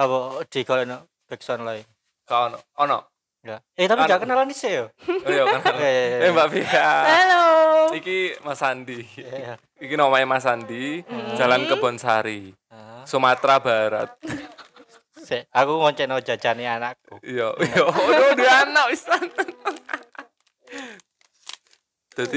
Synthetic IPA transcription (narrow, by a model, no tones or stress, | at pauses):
abɔd̪̥i̤ɡ̥ɔlɛnɔ | b̥ɛk̚sɔnlai | ɡaɔnɔɔnɔ̰ʔ | ŋɡaʔet̪apiɡakənalanisejojɔnjɛmbaʔfihaaloikimasand̪i | ikinɔmaɛmasandi̥d͡ʒ̥alankəb̥ɔ̤nsa̰ɾi | sumat̪ɾabaɾa̰t̪̚ | sɛakuwɔɲt͡ʃɛʔnɔ̥d͡ʒ̥a̤̥d͡ʒanianakuijojoodianaisan | d̪̥a̤d̪i